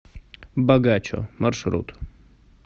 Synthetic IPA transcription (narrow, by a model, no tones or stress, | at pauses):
bɐɡat͡ɕo̰mɐrʂɾṵt̪